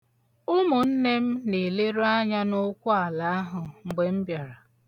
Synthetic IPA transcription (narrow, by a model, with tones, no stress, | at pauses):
ʊ˦mʊ˨n̩˦ne˦m̩˦ne˨le˦ɾo˦a˦ɲa˦nʊ˦kʷʊ˦a˨la˨˦a˦ɦʊ˨ŋ͡m̩˨ɡ͡be˦m̩˦bja˨ɾa˨